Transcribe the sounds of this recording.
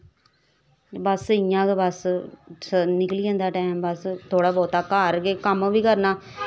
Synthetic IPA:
bəsɪãːkebəssnɪkliːãːnd̪aːʈɛːmbəst̪ʰoːɽaːbɔːt̪aːkːaːɾɡeːkəmʋiːkəɾnaː

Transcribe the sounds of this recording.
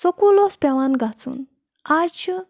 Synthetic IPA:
sokulospʲaʋanɡat͡sṵn | aɾt͡ʃʰi

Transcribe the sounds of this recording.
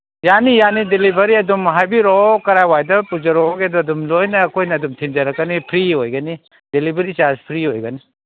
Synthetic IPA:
janijanidelibɐɾiɐdumɦajbiɾokɐɾajwajdɐpud͡ʒɐɾoɡeduɐdumlojnɐːkʰojnɐːdumtʰind͡ʒɐɾɐkːɐnipʰɾiojɡɐni | delibʱɐɾisaspʰɾiojɡɐni

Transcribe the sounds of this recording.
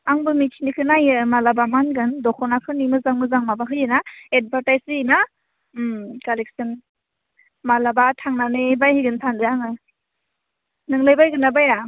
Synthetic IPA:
aŋbɯmitʰinikʰɯnajɯmalabamanɡɯndɔkʰɔnakʰɯnimɯzaŋmɯzaŋmabaɦɯjɯnaed̚bʱaɾtajzina | mkalek̚sɯn | malabatʰaŋnanebajhɯɡɯntʰandɯjaŋɯ | nɯŋlɯjbajɡɯnabaja

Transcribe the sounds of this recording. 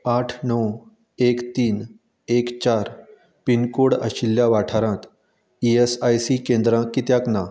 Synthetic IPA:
aʈʰnɔw | ekt̪iːn | ekt͡ɕaɾ | pinkoɽə̰ɕilːjaʋaʈʰaɾãt̪ | iesajsikẽnd̪ɾãkit̪jãkna

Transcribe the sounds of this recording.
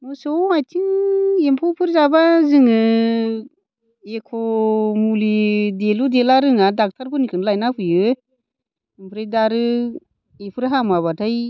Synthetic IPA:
mɔsɔajtʰiŋempʰɔpʰɯɾzabazɯŋɯ | ekʰɔmulideludelaɾɯŋadak̚tʰaɾpʰɯnikʰɯnlajnapʰɯjɯ | mpʰɾedaɾɯ | epʰɯɾɦamaβatʰaj

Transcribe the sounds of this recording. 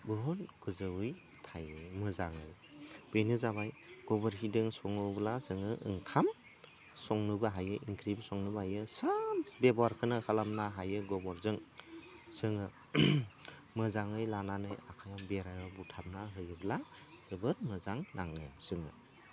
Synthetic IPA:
bɯɦɔlɡ̥ɯzɯwɯj | tʰajɯmɯzaŋɯjb̥enɯzaβaj | ɡ̥ɔbɔɾɦidɯŋsɔŋɯblasɯŋɯʔɯŋkʰam | sɔŋnɯbɯɦajɯʔiŋkɾibsɔŋnɯbɯɦajɯsanbebaɾkʰɯnɯkʰalamnaɦajɯɡɔbɔɾzɯŋ | sɯŋɯ | mɯzaŋɯjlananɯjakʰajambeɾajɯbutʰamnaɦɯjɯbla | sɯbɯɾmɯzaŋnaŋɯ̰sɯŋɯ̰

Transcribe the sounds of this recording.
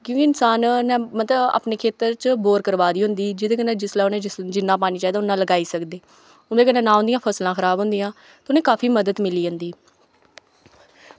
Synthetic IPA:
kjõːkiɪnsaːnnɛ̃ːmət̪ləba̰ːpneːkʰeːt̪əɾt͡ʃboːɾkəɾʋaːd̪iːɦʊnd̪iːd͡ʒɪd̪eːkənɛ̃ːd͡ʒɪslaːʊnẽːd͡ʒɪnːãːpaːniːt͡ʃaːiːd̪aːʊnːãːləɡaːiːsəkd̪eː | ʊnd̪eːkənẽːnãːɦʊ̃nd̪ijãːpʰəslãːkʰəɾaːbʊnd̪ijãː | t̪ːʊnẽːkaːfʰiːməd̪əd̪mɪliːɦʊnd̪iː

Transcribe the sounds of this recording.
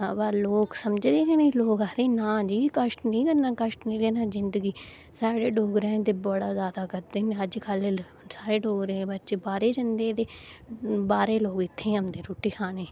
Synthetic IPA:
baloːksəmd͡ʒd̪eːkeneloːkaːt̪eːnãːd͡ʒiːkəʃʈnĩːkəɾnãːkəʃʈnĩːleːnãːzɪnd̪əɡiː | saːɽeːɖoːɡɾẽːt̪eːbəɽaːzjaːd̪aːkəɾd̪eːnẽːəd͡ʒkʰəle | saːɾeːɖoːɡɾẽːbətːʃeːbaːɾeːd͡ʒənd̪ẽːt̪eː | baːɾeːloːkɪt̪ʰːẽːəmd̪eːɾoːʈiːkʰaːneː

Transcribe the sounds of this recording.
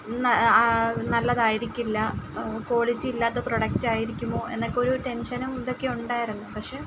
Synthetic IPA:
nɐ | nɐlːɐðaːjiɾikʲːilːɐko̞ːɭid͡ʑiilːaːt̪ːɐproɽɐk̚taːjiɾikʲːumːo̞ːe̞nːokːo̞ɾute̞nʂɐnumiðo̞kːe̞uɳɖaːjiɾunːupɐkʂe

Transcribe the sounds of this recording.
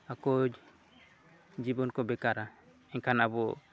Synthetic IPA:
akɔd͡ʒ | d͡ʒibɔnkɔbɛkaɾa | ɛɲkʰanabɔ

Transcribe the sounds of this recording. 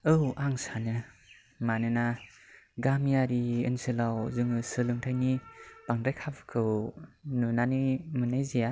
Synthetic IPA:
ɯwʔaŋsanɯ | manɯna | ɡamjaɾiɯ̰nsɯlawzɯŋɯsɯlɯŋtʰajnipaŋdajkʰabɯ̥kʰɯwnunanimɯnajzija

